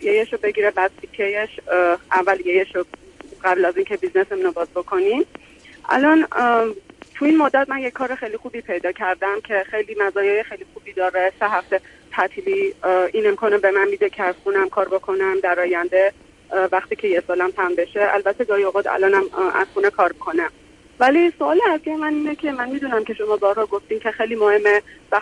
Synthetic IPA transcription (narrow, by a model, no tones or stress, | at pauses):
jejeʃobe̞ɡiːɾebæd̪t̪ʰicʰejeʃʔævːæljejeʃoɢæblæzincʰebiznesemunobɒːzbokʰo̞nim | ʔæ̰lɒːn | t̪ʰuiːnmod̪ːæt̪̚mænjecʰːɒːɾexejlixuːbipʰe̞jd̪ɒːcʰæɾd̪æmcʰexejliːmæzɒːjejexejlixubid̪ɒːɾeseɦæft̪e | t̪ʰæt̪ʰiliʔinemkʰonebemænmiːd̪ecʰeæz̥xunæmkʰɒːɾbokʰo̞næmd̪æɾɒːjænd̪e | væxt̪iːcʰe̞jesɒːlæmt̪ʰæmbe̞ʃeæ̰lbæt̪ʰːed̪ɒːjoɣɒːd̪æ̰lɒːnæmæ̰z̥xuːnekʰɒːɾbikʰonæm | vælisoɒːleæsijemæniːnecʲʰe̞mænmiːd̪uːnæmcʲʰe̞ʃo̞mɒːbɒːɾhɒːɡoft̪iːmcʰe̞xejliːmohemːevæ